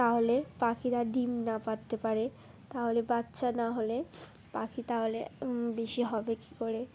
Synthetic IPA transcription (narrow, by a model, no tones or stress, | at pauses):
t̪aɦolepakʰiɾaɖimnapat̪ːepaɾe | t̪aɦolebatːɕanaɦole | pakʰit̪aɦolebeʃiɦɔbeki̥koɾe